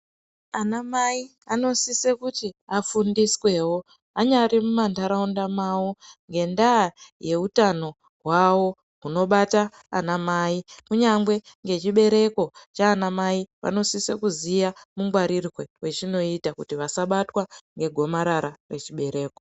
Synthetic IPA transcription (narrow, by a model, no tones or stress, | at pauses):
anamaiano̞sise̞kutiafundiswe̞wo̞ | aɲaɾimumandaɾaundamawoŋɡe̞ndaːje̞utano̞ | ɦwawo̞ | ɦuno̞ɓata̰ː | namaːikuɲamɡwe̞ŋɡe̞t͡ʃiɓe̞ɾe̞ko̞t͡ʃaːnamaiʋa̰no̞sise̞kuzijamuŋɡwaɾirɣewe̞t͡ʃino̞itakutiʋasaɓatwaŋɡe̞ɡʱo̞maɾaɾare̞t͡ʃiɓe̞ɾe̞ːko̞